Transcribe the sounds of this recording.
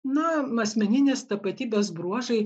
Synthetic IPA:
nʊmɐsʲmʲɛnʲɪnʲeːst̪ɐpɐt̪ʲiːbʲeːs̬bɾuɔʒɐɪ

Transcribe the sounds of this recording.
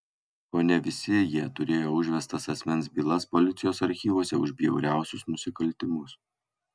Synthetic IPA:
oːnʲɛʋʲɪsʲɪjiɛt̪ʊɾʲeːjoːʊʒʲʋʲɛst̪ɐsɐsʲmʲɛnʲsbʲiːlˠɐspɔlʲɪt̪sʲɪjoːsɐɾʲxʲiːʋoɔsʲɛʊʒʲbʲjɛʊɾʲæˑʊsʲʊsnʊsʲɪkɐlʲt̪ʲɪmʊs

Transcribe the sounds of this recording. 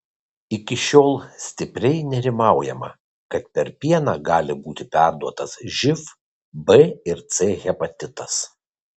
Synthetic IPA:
ɪkʲɪʃʲoːlˠsʲt̪ʲɪpʲɾʲɛɪnʲɛɾʲɪmɑˑʊjɛmɐ̰ | kɐt̪pʲɛɾpʲiɛnɑːɡɑːlʲɪbuːt̪ʲɪpʲæˑɾd̪uɔt̪ɐsʒʲɪf | bɨɪɾt̪seɣʲɛpɐt̪ʲɪt̪ɐs

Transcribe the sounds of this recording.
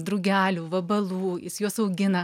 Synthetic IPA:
d̪ɾʊɡʲæːlʲuːʋɐbɐlˠuːjɪsjuɔsɐʊɡʲɪnɐ

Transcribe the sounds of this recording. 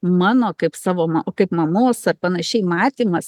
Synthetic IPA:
mɑːnoːkɐɪpsɑːʋoːmɐokɐɪpmɐmoːsɐrpɐnɐʃʲɛɪmɑːt̪ʲiːmɐs

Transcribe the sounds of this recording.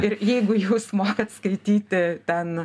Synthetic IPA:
ɪɾjɛɪɡʊjuːsmoːkɐt̪skɐɪt̪ʲiːt̪ʲɪt̪ʲɛn

